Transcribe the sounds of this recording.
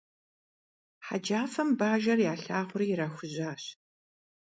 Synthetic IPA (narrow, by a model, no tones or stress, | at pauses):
ħa̰d͡ʒaːfɐmbaːʒɐrjaːɬaːʁʷʊriːjɪɾaːxʷʊʑaːɕ